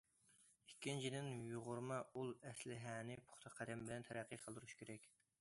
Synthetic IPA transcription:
ikʲʰːint͡ʃʰid̪ɪnjuʁʊɾmɑulˠɛslɪɦɛːnɪpʰo̥χt̪ʰɑqʰːæd̪ɛmbɪlɛnt̪ʰɛɾæqʰːiqʰəlˠd̪uɾuʃkʲʰeɾɛkʲ

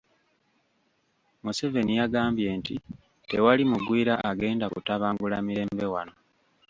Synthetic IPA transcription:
museve̞nijaɡaːmbje̞ːnti | te̞walimuɡwiːɾaʔaɡe̞ːndakṵtaβaːŋɡulamiɾe̞ːmbe̞wano̞

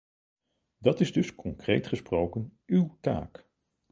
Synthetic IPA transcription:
dɑtɪzdɵskʰɔŋkrejtχəsprowkənywta̰ːk

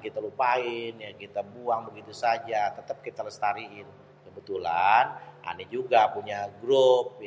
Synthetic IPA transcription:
kit̪alupaɪnjakit̪abuaŋbəɡit̪usad͡ʒat̪ət̪əp̚kit̪aləst̪aɾiɪn | kəbət̪ulanʔa̰nid͡ʒuɡapuɲaɡɾʊp̚j

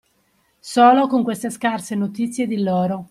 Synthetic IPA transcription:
soːlokoŋkwest̪eskarsenot̪it̪sːjed̪iloːɾo

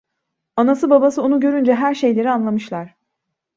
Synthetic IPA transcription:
anasɯbabasɯonuɟø̞ɾynd͡ʒɛɦæɾʃe̞jlʲe̞ɾianlˠamɯʃlˠaɾ̥

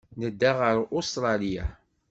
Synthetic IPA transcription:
nəd̪ːaʁəɾʊst̪ɾˤɑlija̰

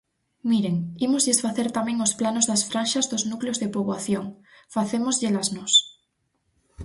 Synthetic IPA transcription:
miɾeŋimozðesfaθeɾt̪amẽŋosplanozðasfɾanʃazðoznukleozðepoβwaθjoŋfaθemozʎelaznos

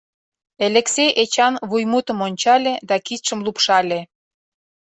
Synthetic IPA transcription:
elʲekseʔet͡ɕɑnβujmut̪ə̆monʲt͡ɕɑlʲed̪ɑkit̪ʃə̆mlupʃɑlʲe

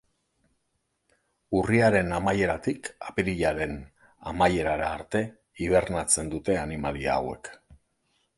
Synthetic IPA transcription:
uriaɾe̞namaje̞ɾat̪ikapeɾiʎaɾe̞n | a̰maje̞ɾaɾaːɾt̪e̞ | iβ̞e̞rnat͡se̞nd̪ut̪e̞animalia̰ːwe̞̰k

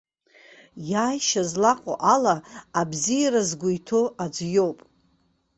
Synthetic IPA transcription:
jaːjʃazlaqʼo̰ʔalaːbzijaɾazɡʷʊjtʰoad͡zjo̞wpʼ

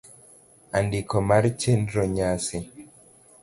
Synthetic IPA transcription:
andikɔmaɾt͡ʃendɾɔɲasi

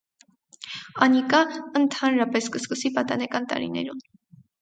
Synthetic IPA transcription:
ɑnikɑənt̪ʰɑnɾɑpɛskəskəsipɑt̪ɑnɛkɑnt̪ɑ̰ɾḭnɛ̰ɾun

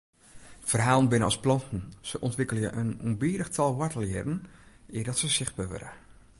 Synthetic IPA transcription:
fərɦaːlˠənbɪnəɔsplɔntn̩səʔɔntʋɪkəlˠjəʔənunbiːdəxtʰɔlˠʋɔtəlˠjɛdn̩ɪədɔtsəsɪxt̚baːʋø̰ɾə

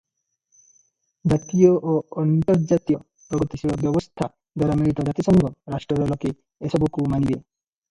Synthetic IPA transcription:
d͡ʑat̪ijɔʔoɔnt̪ɔɾd͡ʒat̪ijɔ | pɾɔɡɔt̪isiɭɔbjɔbɔst̪ʰa | d̪ɔɾameɭit̪ɔd͡ʒat̪isɔŋɡʱɔɾaʃʈɾɔd̪ɔlɔke | esɔbukumanibe

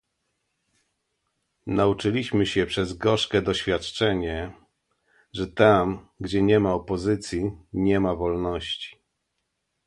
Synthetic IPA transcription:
naut͡ʂɘlʲiɕmɘɕɛpʂɛzɡɔʂkɛd̪ɔɕfʲjat̪t͡ʂɛɲɛ | ʐɛt̪amɡd͡ʑɛɲɛmaɔpɔzɘt̪sʲjiɲɛmavɔlnɔɕt͡ɕi̥

